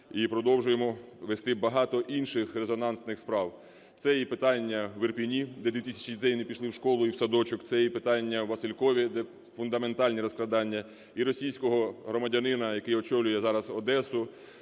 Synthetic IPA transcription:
ipɾɔd̪ɔwʒʊjemɔ | ʋest̪ɪbɐɦɑt̪ɔʔinʃɪxrezɔnɑnsnɪxspɾɑw | t̪sɛjipɪt̪ɑnʲːɐwɪrpʲinʲid̪ɛd̪ʋʲit̪ɪsʲɐ̥t͡ʃidʲit̪ɛjnepʲiʃlˠɪwʃkɔlˠʊiwsɐd̪ɔt͡ʃʊkt̪sɛjipɪt̪ɑnʲːɐwʋɐsɪlʲkɔʋʲid̪ɛ | fʊnd̪ɐme̞nt̪ɑlʲnʲiɾɔsklˠɐd̪ɑnʲːɐ | iɾɔsʲijsʲkɔɦɔɦɾɔmɐdʲɐnɪnɐjɐkɪjɔt͡ʃɔwlʲʊjɛzɑɾɐzɔd̪ɛsʊ

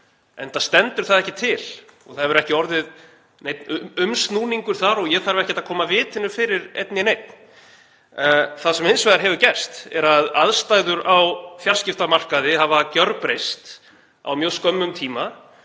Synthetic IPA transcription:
ɛnθaðst̪ɛnt̪ʏɾ̥θaðɛhcɪt̪ʰɪlɔɣθaðɛvʏɾɛhcɪɔɾðɪð | nejt̪nʏʏmst̪nuːniŋkʏɾ̥θaɾɔɣjɛθaɾvɪɛhcɪt̪akʰɔːmavɪːt̪ʰɪnːʏfɪːɾɪɾḛjt̪nɪnejt̪̚n | θaðsɛmensvajðaɾɦɛvʏɾcɛr̥st̪ɛɾaðaðst̪aɣðʏɾawfjaɾr̥scɪft̪amar̥kaðɪhavacœɾpɾejst̪ | a̰wmjœskœmːʏmt̪ʰiːma

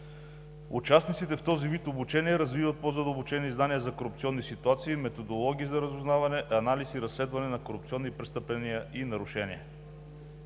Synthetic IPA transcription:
ut͡ʃasnit̪sit̪ɛft̪ɔzivit̪obut͡ʃɛniɛɾɐzvivət̪̚pozɐd̪əlˠbʊt͡ʃɛniznaniəzɐkoɾup̚t̪siɔnːisit̪uat̪siːmɛt̪od̪olˠɔɡʲiːzɐɾɐzuznavɐnɛʔɐnalisiɾɐslɛd̪vɐnɛnɐkoɾup̚t̪siɔnːipɾɛst̪əplɛnijəʔinɐɾʊʃɛniɛ

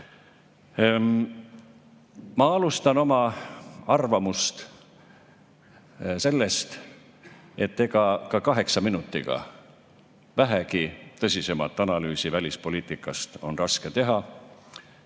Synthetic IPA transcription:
mɑɑlust̪ɑno̞mɑɑrvɑmust̪ | se̞lːe̞st̪ | e̞t̪ːe̞kɑkɑkɑɦe̞ksɑminut̪ːˑḭɡ̥ɑ̰ | væɦekit̪ɤsʲise̞mɑt̪ːˑɑnɑlyːsivælʲispo̞liːt̪ˑikːˑɑst̪o̞nrɑske̞t̪e̞ɦɑ

